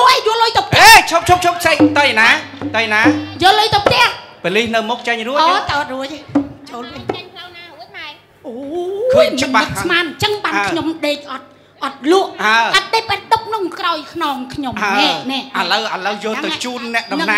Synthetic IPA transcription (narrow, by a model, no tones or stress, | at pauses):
oʔejuəlːojt̪owp̚ʰeːt͡ɕʰop̚t͡ɕʰop̚t͡ɕʰop̚kʰseːk̚t̪ənaːt̪ənaːjoːlːojt̪əwpʰt̪ɛ̆əhpəlihnɨwmok̚t͡ɕəŋruəaʔɑt̪̚ruəc̚t͡ɕoːlpinpʰəŋkʰlawnaːuəɗaɛ | ʔoːkʰəːɨɓaɨk̪̚smaːnt͡ɕəŋɓaːnkʰɲomɗeːk̚ʔɑt̪̚ | ʔɑt̪̚luəʔhaəʔat̪̚ɗepət̪̚ɗɨp̚ʰnɨŋkraɔjkʰnɑːŋkʰɲomanɛʔnɛːʔaləwʔaləwjoːlɨat͡ɕuːnːɛ̆əʔɗɑnɨmna